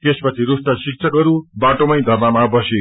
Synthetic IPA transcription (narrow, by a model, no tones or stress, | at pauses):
t̪espʌt͡sʰiɾusʈasik̚t͡sʰʌkʌɾubaʈomʌjd̪ʱʌrnamabʌse